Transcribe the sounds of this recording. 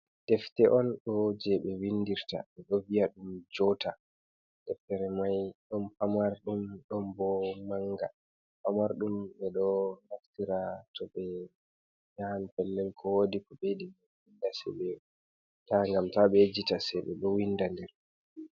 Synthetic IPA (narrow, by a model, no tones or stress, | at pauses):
d̥ɛftɛʔɔnɗɔd͡ʒɛɓɛwindiɾta̰ɓɛɗɔvijaɗumd͡ʒɔta | dɛftɛɾɛmajɗɔnpamaɾɗumɗɔmbɔmaŋɡa | pamaɾɗumɓɛɗɔnaftiɾatʰɔɓɛ | ɲanpɛlːɛlkʰɔwodikɔɓedim | windasɛ̰ɓɛ | taŋɡamtaɓɛd͡ʒitasɛɓɛ̰ɗɔwindandɛɾ